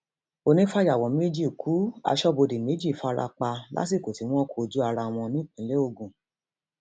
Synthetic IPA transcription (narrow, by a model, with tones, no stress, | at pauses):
o˧nĩ˦fa˦d͡ʒa˨wɔ̃˨mĩ˦e˦d͡ʒi˦˨kʰu˨˦a̰˧ʃɔ˦bo˧de˨me˨˦d͡ʒi˦˨fa˦˧ɾa̰˧k͡pa˧la̰˦s̬i˦˨ko˨ti˨˦w̃ɔ̃˦kʰo˧˨d͡ʒu˦a˧ɾa˧w̃ɔ̃˧nĩ˦˨k͡pĩ˨˦le˦o˧ɡũ˨